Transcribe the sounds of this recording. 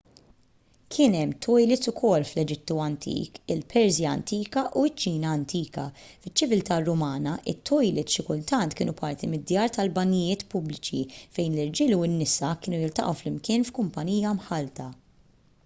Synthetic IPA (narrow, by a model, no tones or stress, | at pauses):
kʰɪːnɛmːt̪ʰɔjlɪt̪ʊkʰɔlːflɛd͡ʒɪt̪ːuɐnt̪ʰḭːkɪlpʰɛɾzjɐɐ̰nt̪iːkɐʔuɪt͡ʃːiːnɐːnt̪ʰiːkɐfɪt͡ʃːɪvɪlt̪ɐrːʊmɐːnɐʔɪ̰t̪ːɔjlɪt̪ʃɪkʊlt̪ɐnt̪kɪːnupʰɐɾt̪imɪd̪jɐːɾt̪ɐlbɐnːɪjɪːt̪pʊblɪt͡ʃḭfɛjnlɪɾd͡ʒɪːluɪnːɪsɐkɪːnujɪlt̪ɐ̰ʔɐ̰wflɪmkɪːnfkʊmpɐniːjɐmħɐlt̪ɐ